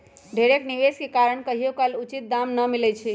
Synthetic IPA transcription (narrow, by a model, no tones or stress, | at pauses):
ɖʱeɾekniʋeskekaɾəɳkəɦijokalut͡ʃit̪̚d̪amnəmilɛt͡ʃʰi